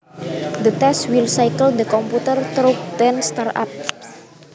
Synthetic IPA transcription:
d̪ət̪ɛswilsajkəld̪əkɔmput̪ərt̪ɾok̚t̪ɛnst̪ara̰p̚

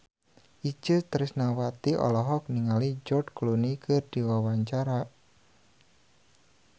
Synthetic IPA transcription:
ʔid͡ʒət̪ɾɪsnawat̪iʔɔ̰lɔɦɔk̚niŋalid͡ʒɔrdklunikʰɨrd̥iwawaɲt͡ʃaɾa

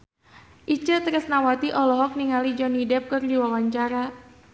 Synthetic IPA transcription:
ʔit͡ʃət̪ɾəsnawat̪iʔɔlɔɦɔk̚niŋalid͡ʒɔnidɛp̚kɨrdiwawaɲt͡ʃaɾa

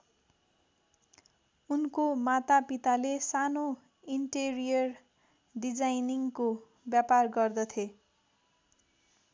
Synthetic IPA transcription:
unkomat̪apit̪alesano | iɳʈerijʌr | ɖid͡zajniŋko | bjaparɡʌrd̪ʌt̪ʰje

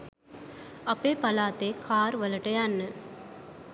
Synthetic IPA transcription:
ɐpːeːpɐlaːt̪eːkʰaːɾʋɐlɐʈːɐjaːnːɨ

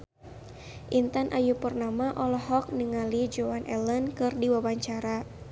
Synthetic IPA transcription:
ʔint̪anʔajupərnamaʔɔlɔɦɔk̚niŋalid͡ʒoanʔɛlənkɨrdiwawaɲt͡ʃaɾa

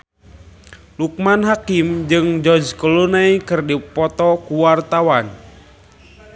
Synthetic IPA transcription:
luk̚manɦakimd͡ʒɨŋd͡ʒɔd͡ʒkɔlunaikɨrdipɔt̪ɔkuwart̪awan

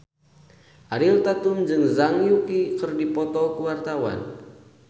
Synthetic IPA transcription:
ʔaɾilt̪at̪umd͡ʒɨŋzaŋjukikɨrdipɔt̪ɔkəwart̪awa̰n

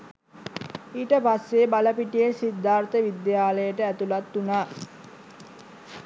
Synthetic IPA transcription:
iːʈəpasːebaləpiʈijesid̪ʱːaːɾt̪əʋid̪jaːləjəʈəæt̪ulat̪ːunaː

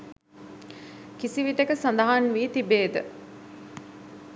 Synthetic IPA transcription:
kisiʋiʈekəsand̪əɦanʋiːt̪ibeːd̪ə̰

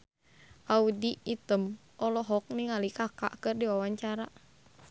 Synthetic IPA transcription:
ʔaudiːt̪əm | ʔɔlɔɦɔk̚niŋalikaka̰ʔkɨrdiwawaɲt͡ʃaɾa

